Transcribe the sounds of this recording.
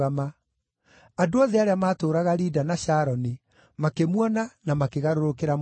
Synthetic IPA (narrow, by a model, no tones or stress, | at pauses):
ama | adoɔðeaɾeamaːtoːɾaɣaɾiːdanaɕaːɾɔni | makemwɔnanamakeɣaɾoɾokeɾam